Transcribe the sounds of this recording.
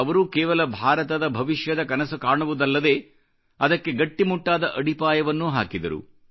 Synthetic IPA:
ɐʋɐɾukɛːʋɐlɐbʱaːɾɐt̪ɐd̪ɐbʱɐʋiʃjɐd̪ɐkɐnɐsukaːɳuʋud̪ɐlːɐd̪e̞ː | ɐd̪ɐkːe̞ɡɐʈːimuʈːaːd̪ɐʔɐɽipaːjɐʋɐnːuɦaːkid̪ɐ̰ɾṵ

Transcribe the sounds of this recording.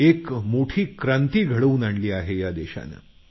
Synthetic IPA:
ekmoʈʰiːkɾant̪iːɡʱəɽəuːnaɳliːaɦejad̪eɕa̰na̰

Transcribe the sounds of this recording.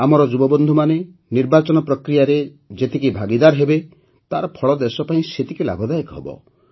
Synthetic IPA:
amɔɾɔd͡ʒubɔbɔnd̪ʱumane | niɾbat͡ʃɔnɔpɾɔkɾijaɾe | d͡ʒet̪ikibʱaɡid̪aɾɦebe | t̪aɾɔpʰɔɭɔd̪esɔpaĩset̪ikila̰ɡɔd̪ajɔkɦebɔ̰

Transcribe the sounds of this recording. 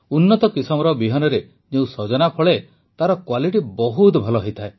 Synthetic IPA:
unːɔt̪ɔkisɔmɔɾɔbiɦɔnɔɾe | d͡ʒeũsɔd͡ʒɔnapʰɔɭe | t̪aɾɔkwaliʈibɔɦut̪bʱɔlɔɦɔjt̪ʰae

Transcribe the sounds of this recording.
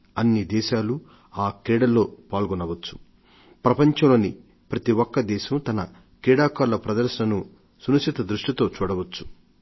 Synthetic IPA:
ɐnːid̪ɛːʃaːlu | aːkɾɛːɽɐlːo̞ːpaːlɡɔnɐʋɐt͡ʃːu̥ | pɾɐpɐɲt͡ʃɐmloːni | pɾɐt̪iwɔkːɐd̪ɛːʃɐmt̪ɐnɐ | kɾɛːɽaːkaːɾlɐpɾɐd̪ɐɾʃɐnɐnu | sunɐkʂit̪ɐd̪ɾuʂʈit̪o̞ːt͡ʃuːɽɐʋɐt͡ʃːu̥

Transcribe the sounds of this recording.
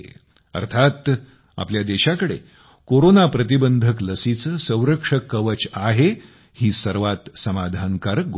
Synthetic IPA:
ə̰ɾt̪ʰat̪ | a̰pljad̪eɕakəɽḛ | koɾonapɾət̪ibənd̪ʱəkləsit͡səːsə̃w̃ɾəkʂəkːəʋət͡ɕaɦe | hiːsəɾʋat̪səmad̪ʱaŋkaɾəɡ

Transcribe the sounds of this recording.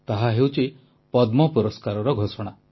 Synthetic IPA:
t̪aɦaɦewt͡ʃi | pɔd̪mɔpɔɾɔskaɾɔɾɔɡʱosɔɽ̃a

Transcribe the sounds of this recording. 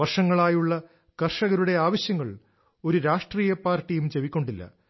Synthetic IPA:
ʋɐrʂɐŋːɐɭaːjuɭːɐ | kɐrʂɐɣɐɾuɽe̞aːʋɐɕjɐŋːɐɭ | o̞ɾuɾaːʂʈriːjɐpaːrʈːijumt͡ɕe̞ʋikʲːo̞ɳɖilːɐ̰

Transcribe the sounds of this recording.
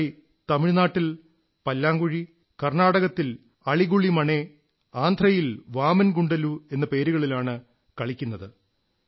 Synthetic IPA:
t̪ɐmiɻnaːʈːil | pɐlːaːŋɡuɻi | kɐrnaːɽɐɣɐt̪ːil | ɐɭiɣuɭːimɐɳe | aːnd̪ʱrɐjilʋaːmɐnɡuɳɖɐlue̞nːɐpe̞ːɾuɣɐɭilaːɳɨ | kɐɭikʲːunːɐðɨ

